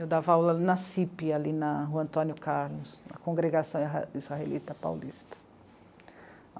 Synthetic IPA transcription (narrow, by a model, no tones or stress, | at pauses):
ud̪avawlɐnɐsipialinɐɦuɐ̃nt̪õnjʊkaɾlʊsɐ̰kõɡɾeɡasɐ̃w̃izhaelit̪ɐpa̰wlist̪ɐ̥